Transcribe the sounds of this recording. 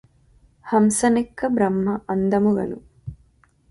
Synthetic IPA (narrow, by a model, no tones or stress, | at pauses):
hɐmsɐnekːɐbɾɐmːɐʔɐnd̪ɐmuɡɐ̰nṵ